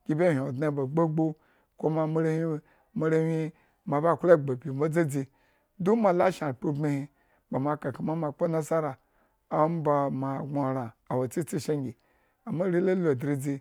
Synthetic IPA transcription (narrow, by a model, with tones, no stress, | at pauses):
ɡ̥ʲi˨bʲe˦˨hʲo˨dna˨ba˨ɡ͡bo˦ɡ͡bo˦ | ko˦ma˨me˦ɾe˦hi˦ | ma˦ɾe˦hi˦ | ma˨ba˦˨kʷla˦˨ɡ͡bo˨bʲi˨ma˦d͡ze˦d͡zi˧ | du˦ma˨la˦ʃa˨ɾpo˦be˦hi˧ | ba˨ma˨ka˨ka˨ma˦ma˨k͡po˦na˦sa˦ɾaː˨˦ | m˦ba˨ma˨ɡa˨ɾa˨a˨wo˨t͡si˦t͡si˦ʃe˦ŋɡʲi˨ | a˨ma˦ɾi˦la˦lo˨dɾi˦d͡zi˧